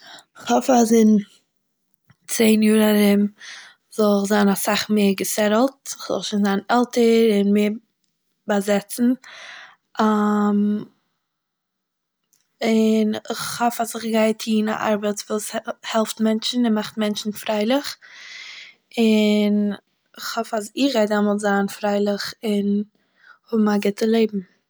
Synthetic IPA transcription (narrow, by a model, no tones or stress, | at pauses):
ɪχhɔfazɪn | t͡seɪnjuːɾaɾɪm | z̥ɔlˠɪχzaːnasaχmeːɾɡəsɛɾl̩ˠtɪχz̥ɔ̰lˠʃiːnzaːnɛlˠtəɾɪnmeːɾ | bazɛt͡sn̩ | ʔam | ɪnɪχhɔfazɪχɡaɪtʰiːna̰ʔa̰ɾbət͡svuːshɛlˠftmɛnt͡ʃn̩ɪnmaχtmɛnt͡ʃn̩fɾaɪlˠɪχ | ɪn | ɪχhɔfazɪχvaɪdamɔlˠtzaːnfɾaɪlˠɪχɪn | hʊbm̩aɡɪtəlˠeɪbm̩